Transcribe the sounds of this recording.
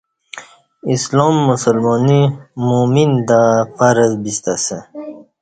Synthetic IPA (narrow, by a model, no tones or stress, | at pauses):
islomːusəlmoːnimumind̪afaɾəzbist̪ase